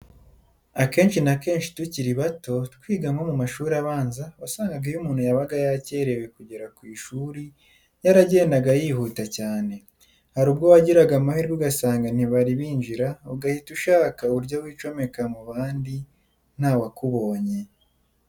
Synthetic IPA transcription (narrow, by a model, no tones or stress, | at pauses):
ake̞ːnʃinake̞ːnʃi̥tuciɾiβato̞tkwiːɡaŋɡo̞mumaʃuːɾaβaːnzaβasaːŋɡaɡajumuːn̥hujaβaɡajace̞ːɾe̞we̞kuɟeɾakwiːʃuːɾi | jaɾaɟe̞ːndaɡajiːhuːtacaːne̞ | haɾuːbɡowaɟiɾaɡamahiɾɡuɡasaːŋɡan̥iβaɾiβiːɲd͡ʒiɾauɡahituʃaːkauuɾɟowiːt͡ʃo̞me̞kamuβaːndi | n̥hawakuβo̞ːɲe̞